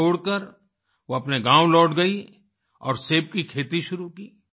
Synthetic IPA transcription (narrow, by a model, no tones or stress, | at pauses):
oːɽkəɾ | ʋoɐpneɡãːwlɔːʈɡɐi | ɔ̰ːɾseːp̚kikʰeːt̪iʃʊɾukiː